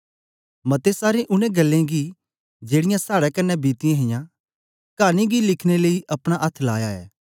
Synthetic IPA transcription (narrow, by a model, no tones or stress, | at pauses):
mɐt̪esaːɾẽʔʊnẽɡɐlːẽɡi | d͡ʒeːɽɪjãsaːɽakɐnːɛbiːt̪ɪãɦɪjã | kaːnĩɡilɪkʰneləiʔɐpɽ̃aʔɐt̪ʰːlaːjaɛ̰ː